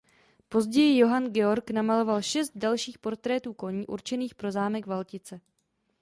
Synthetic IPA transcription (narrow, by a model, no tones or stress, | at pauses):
po̞zɟɛjɪjo̞ɦanɡɛo̞ɾknamalo̞valʃɛst̪̚dalʃiːxpo̞ɾt̪ɾɛːt̪uːko̞ɲiːʔṵɾt͡ʃɛniːxpɾo̞zaːmɛɡvalcɪt͡sɛ